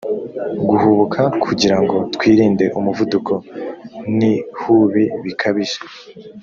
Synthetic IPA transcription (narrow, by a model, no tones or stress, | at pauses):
ɡuhuβukʰakʰuɟiɾaŋɡo̞tkwiːɾiːnde̞ʔumuvudukʰo̞ | nihuβiβikʰaβiʒe̥